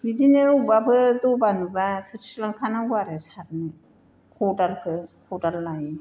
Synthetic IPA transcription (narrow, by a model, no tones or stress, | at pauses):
bizineubabɯdɔbanubatʰɯɾsɯlaŋkʰanauaɾesaɾnɯ | kʰodalkʰɯkʰodalːaj